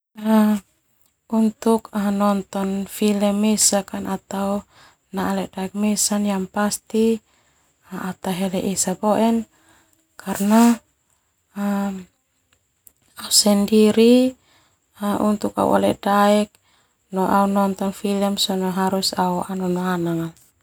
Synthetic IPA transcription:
a | unt̪ukanɔnt̪ɔnfilɛmːɛsakanat̪au | naːlɛʔdaɛk̚mɛsanjaŋpast̪i | aat̪aɦɛlɛʔisabɔʔɛn | kʰarna | ausandiɾi | aʔṵnt̪uka̰ṵʔa̰lɛ̰ʔdaɛk̚ | nɔʔaunɔnt̪ɔnfilɛmsɔnɔɦaɾusauʔanɔnanaŋan

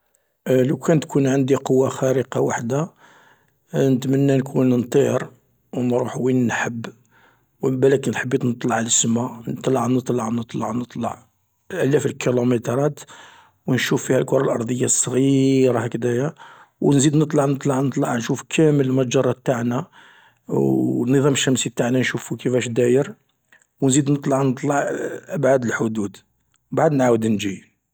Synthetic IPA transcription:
ləwkʰænt̪kʰunʕand̪iqowːaxæɾəqɑwaħd̪a | nət̪mənːænkʰunnt̪ˤiɾ | wnɾuħwinnħəbː | wəbælækənħəbːit̪nət̪ˤlɑʕləsmanət̪ˤlɑʕnət̪ˤlɑʕnət̪ˤlɑʕnət̪ˤlɑ̰ʕ | lʔælæfəlkilomet̪ɾˤɑt̪ | wnʃufːihælkʊɾˤɑlʔɑɾˤd̪ˤəjːɑsˤːɣiɾˤɑækd̪æjæwnzid̪nət̪ˤlɑʕnət̪ˤlɑʕnət̪ˤlɑʕnʃufkʰæməllmæd͡ʒɑrˤːɑt̪ːaʕna | nəðˤɑməʃːæmsibt̪aʕnænʃufukəfæʃd̪æjəɾ | wnzid̪nət̪ˤlɑʕnət̪ˤlɑʕʔəbʕad̪əlħod̪ud̪ | baʕd̪nʕawəd̪nd͡ʒi

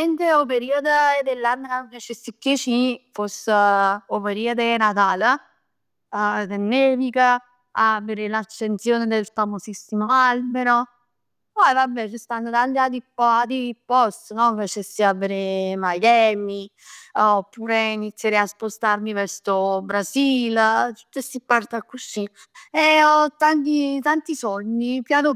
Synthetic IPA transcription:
ent̪eopeɾiad̪əɛd̪elːanːəkaket͡ʃesikːit͡ʃifosːopeɾiːad̪enat̪aːl | d̪enːeːvikə | aveɾelat͡ʃːent̪sjoːned̪elfamosisːimoalbeɾo | pɔjvabɛt͡ʃest̪anːod̪alːjat̪ipːɔat̪ipːɔst̪nɔfat͡ʃesːiaveɾemajɛːmi | opːuːɾeinit̪sːjaɾeaspost̪aɾmivɛɾsobɾasilt̪u̥t̪ːesːipːart̪akːusi | eɔt̪ːant̪it̪ant̪isɔɲːipjano

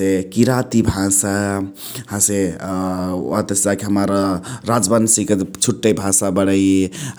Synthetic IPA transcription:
ekiɾat̪ibʱasa | hãse | at̪esd͡ʒakeɦəmaɾɾad͡ʒbənsiket͡ʃʰuʈːəjbʱasabəɽəje

